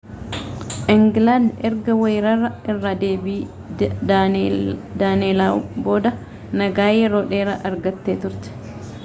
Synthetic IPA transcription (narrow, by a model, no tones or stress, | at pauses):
ʔɪŋɡland̪ɛɾɡɐwejɾɐrːɐɪrːad̪e̞ːbiː | d̪aːneːlawbo̞ːd̪ɐ | nɐɡaːjɛɾo̞ːᶑe̞ːɾɐʔɐɾɡɐt̪ːeːt̪ʊɾt̪ɛ̥